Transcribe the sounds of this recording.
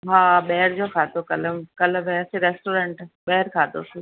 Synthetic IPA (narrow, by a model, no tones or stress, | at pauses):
ɦaːɓɛːɾd͡ʑoːkʰaːt̪okɐləmkɐləbɦɛseɾeːsʈoːɾẽːɳʈɓɛːɾkʰaːt̪o̰se